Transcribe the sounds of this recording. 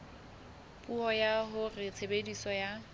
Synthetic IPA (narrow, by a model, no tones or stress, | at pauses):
pʼuhɔjaɦʊret͡sʰebedisɔja